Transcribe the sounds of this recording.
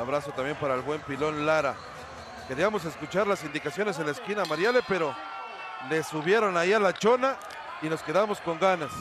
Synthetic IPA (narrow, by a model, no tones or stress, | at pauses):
aβɾaso̞t̪ambje̞mpaɾaelβwe̞mpilo̞nlaɾa̰ | ke̞ɾiamo̞s̬e̞skut͡ʃaɾlasind̪ikasjo̞ne̞s̬e̞nlaeskinamaɾjalepe̞ɾo | le̞suβje̞ɾo̞naialat͡ʃona | ino̞ske̞ðamo̞sko̞ŋɡanas